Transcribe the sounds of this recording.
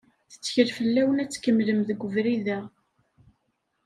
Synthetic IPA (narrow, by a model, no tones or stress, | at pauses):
θə̥t͡sːçəɾfəlːæwənæt͡sːkəmːləmðəɡʷːəvɾiðæ